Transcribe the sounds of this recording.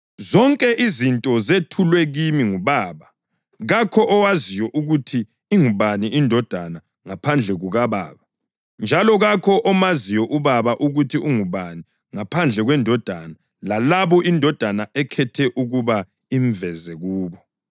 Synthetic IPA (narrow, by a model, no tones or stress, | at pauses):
zɔŋkʼɛʔizintʼɔzetʰulwɛɣimiŋuβaːβa | ɣakʰɔʔɔwazijwɔʔuɣutʰiː | ŋuβaniʔindʱɔd̥ʱana | ŋapʰand͡ɮʱɛɣuɣaβa̰ːβa | nd͡ʒʱalɔɣakʰɔʔːmaziwɔʔuβaβaʔuɣutʰiuŋuβani | ŋapʰand͡ɮʱɛɣwɛndʱɔd̥ʱana | lalaβɔʔindʱɔd̥ʱanaɛkʰɛtʰɛʔuɣuβa | iɱvɛzɛɣuːβɔ